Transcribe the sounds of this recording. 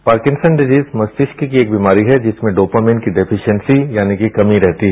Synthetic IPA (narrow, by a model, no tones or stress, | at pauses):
paːɾkɪ̃nsənɖɪziːzmɐst̪ɪʃkkieːk̚biːmaːɾiɦɛd͡ʒɪsmẽɖoːpamẽɳʈkiɖɪpʰɪʃənsijaːnikikɐmiɾɛɦt̪iɦɛ